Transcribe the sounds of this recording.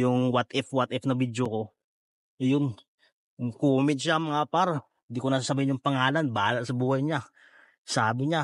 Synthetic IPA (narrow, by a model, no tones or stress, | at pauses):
jʊŋwat̪ʔɛfwat̪ʔɛfnɐbid̪joko̞ | jon | ʊŋkuːmɪd̪̚ʃamɐŋapaɾhɪnd̪ikonɐs̬asɐbahɪnɲːʊŋpɐŋaːlanbaːlaʔsɐbuːhɐjɲa | saːbɪɲa